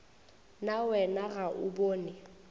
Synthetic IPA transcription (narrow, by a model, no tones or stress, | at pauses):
nawɛnaɣaʔʊboːnɪ